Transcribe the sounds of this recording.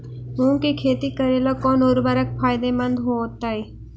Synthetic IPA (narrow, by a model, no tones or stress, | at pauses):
mũːŋkekʰeːt̪ikəɾeːlokɔːnoːɾbəɾək̚fʰaːjd̪emɐ̃nd̪ɦooːt̪aːeː